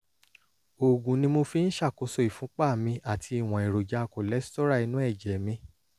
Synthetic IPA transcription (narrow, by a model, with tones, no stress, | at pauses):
o˨ɡũ˨nĩ˧mo˧fi˧n̩˦ʃa˦˨ko˧˦sɔ˦i˨fũ˨˦k͡pa˦˨mĩ˧a˦˨tʰi˧˦i˦˨w̃ɔ̃˨i˨ɾo˨d͡ʒa˨˦˧ko˨lɛ˨˦stɔ˦ɾa˦˨i˧nũ˦ɛ˦˨d͡ʒɛ˨mĩ˧